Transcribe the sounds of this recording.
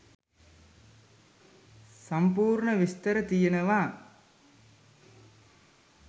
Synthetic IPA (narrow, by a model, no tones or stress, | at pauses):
sɐmpuːɾɳɐʋɪst̪ɐɾɐt̪ijɐnɐʋaː